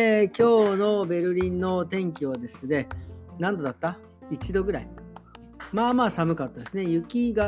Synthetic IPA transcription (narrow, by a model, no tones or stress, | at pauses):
ekʲo̞ːno̞be̞ɾɯ̟ɾʲĩnːo̞t̪ẽ̞ŋk̬ʲiβad̪e̞sɨne̞nãnd̪o̞d̪at̪ːa | it͡ɕid̪o̞ɡɯ̟ɾai | maːmaːsamɯ̟kat̪ːad̪e̞sɨne̞jɯ̟kʲiɡa